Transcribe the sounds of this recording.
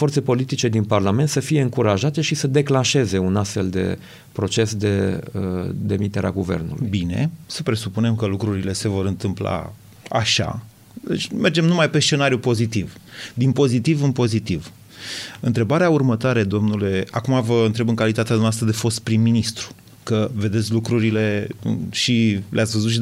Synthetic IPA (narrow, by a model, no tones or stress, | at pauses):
fo̞rt̪sepo̞lit̪it͡ʃe̞d̪inparlame̞nt̪səfije̞ɨŋkuɾaʒat̪e̞ʃisəd̪e̞klanʃe̞ze̞unast̪fe̞ld̪e̞̰ | pɾo̞t͡ʃe̞sd̪e̞əd̪e̞mit̪e̞ɾeaɡuve̞̰rnulṵjbine̞̰səpɾe̞supune̞mkəlukɾuɾile̞se̞vo̞ɾɨnt̪ɨmpla̰ | a̰ʃa̰ | d̪et͡ʃʲmʔe̞rd͡ʒe̞mnumajpe̞st͡ʃe̞naɾjupo̞zit̪ivd̪inpo̞zit̪ivɨnpo̞zit̪iv | ɨnt̪ɾe̞baɾeaurmət̪oaɾe̞d̪o̞mnule̞akumavəɨnt̪ɾe̞bɨnŋkalit̪at̪ead̪omnast̪ɾəd̪e̞fo̞st̪̚pɾimːinist̪ɾu̥ | kəve̞d̪e̞t̪sʲlukɾuɾile̞̰ʃilḛʔat̪sʲvəzut̪ʃ̬i